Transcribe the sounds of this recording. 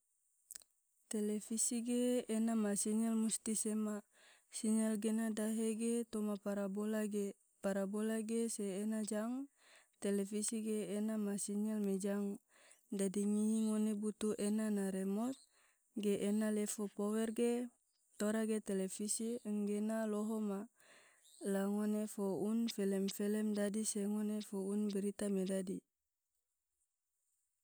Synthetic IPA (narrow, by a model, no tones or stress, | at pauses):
t̪ɛlɛfisiɡeːnamasiɲɛlmust̪isɛma | siɲɛlɡenadaɦeɡet̪ɔmapaɾabola | paɾabolaɡeseːnad͡ʒaŋ | t̪ɛlɛfisiɡeːnamasiɲɛlmɛd͡ʒaŋ | dadiŋiiŋonebut̪uʔenanaɾɛmɔt̪̚ | ɡeʔːnalɛfopowɛrɡe | t̪oɾaɡet̪ɛlɛfisiəŋɡenaloɦoma | laŋonefounfɛlɛmfɛlɛmdadiseŋonefounbɛɾit̪amedadi